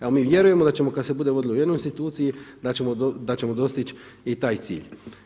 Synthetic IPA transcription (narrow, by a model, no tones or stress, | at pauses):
awmivjeɾujemod̪at͡ʃemokasebud̪evod̪lojenuinst̪it̪ut̪siid̪at͡ʃemod̪d̪at͡ʃemod̪ost̪it͡ʃ | ejt̪ajt̪sḭlʲ